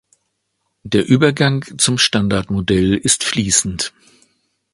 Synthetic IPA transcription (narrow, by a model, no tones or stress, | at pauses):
d̥eːɐʔyːbɐɡaŋt͡sʊmʃtandaɐtmodɛlɪstfliːsn̩t